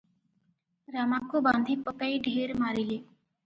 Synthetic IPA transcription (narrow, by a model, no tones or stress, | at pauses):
ɾaːmaːkːobãːnd̪ʱipəkaiɖʱeːɾmaːɾiliː